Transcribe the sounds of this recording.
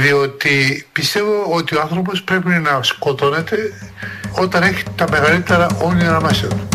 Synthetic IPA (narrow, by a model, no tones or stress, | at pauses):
ðio̞t̪ipist̪e̞voot̪ioɐnθɾo̞p̬o̞spɾe̞pinɐsko̞t̪o̞ne̞t̪e̞ | o̞t̪ɐne̞çi̥t̪ɐme̞ɣɐlit̪eɾɐʔonioɾɐmɐson